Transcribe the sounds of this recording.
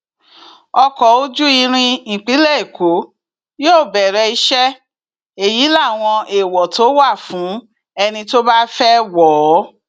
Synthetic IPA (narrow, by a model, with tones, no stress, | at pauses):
ɔ˧kɔ˨˦o˦d͡ʒu˦i˧ɾ̃ĩ˧˨k͡pi˨˦lɛ˦e˨kʰo˨˦ | joː˦˨bɛ˨ɾɛ˧i˧ʃɛ˦ | e˨ji˨˦la˦˨w̃ɔ̃˧ʔe˨wɔ˨to˨˦wa˦˨fũ˨˦ | ɛ˧nĩ˧to˦ba˦fɛ˦wɔː˨˦